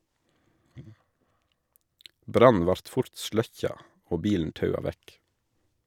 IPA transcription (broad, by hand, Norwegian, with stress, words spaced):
ˈbɾɑn̩ ˈʋɑɾt ˈfʊɾt ˈʃlœçɑ ˈoː ˈbiːln̩ ˈtɑʉɑ ˈʋæk